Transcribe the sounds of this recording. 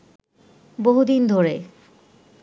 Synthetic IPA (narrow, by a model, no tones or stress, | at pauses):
boɦud̪ind̪ʱoɾe